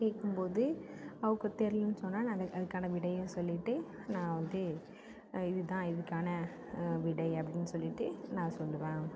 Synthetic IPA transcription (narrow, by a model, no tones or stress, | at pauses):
keːkːɯmpoːðɯɐʋɯkːɯt̪ɛɾɪlnːɯsɔnːaːnɐɐɐðɯkːaːnɐʋɪɽɐjʊ̃sɔlːɪʈːɯ | nãːʋɐnd̪ɯ | ɪðɯt̪ãːɪðɯkːaːnɐ | ʋɪɽɐɪɐpːɐɽɪnːɯsɔlːɪʈːɯnãːsɔlːɯʋẽː